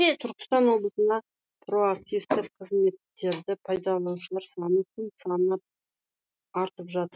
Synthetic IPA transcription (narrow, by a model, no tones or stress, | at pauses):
et̪ʰʏɾkʲɪ̥st̪ɑnwo̞blˠəsənd̪ɑ | pro̞ak̚t̪ijft̪ɪqʰəzme̞t̪ːe̞ɾd̪ɪpʰɑjd̪ɑlˠɑwʃəlˠɑɾsɑnəkʰɪnsɑnənɑp̚ | ɑɾt̪əpʒɑt̪əɾ